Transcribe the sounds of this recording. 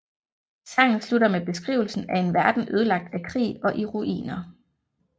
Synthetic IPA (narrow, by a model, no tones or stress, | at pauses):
sɑ̈ŋ̰n̩sluɾɐmeb̥e̝sɡ̥ʁḭːʊl̩sn̩æe̝nʋæɐd̥n̩ʔøð̞ˠlɑ̈ɡ̥̚d̥ækʰʁḭːɒ̽ʔiʁuʔḭːnɐ